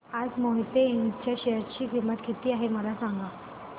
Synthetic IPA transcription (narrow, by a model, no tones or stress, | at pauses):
ad͡zmoɦit̪eːŋt͡ɕjaɕejəɾt͡ɕiːkʰimːət̪kʰit̪iːaɦeməlasãŋɡa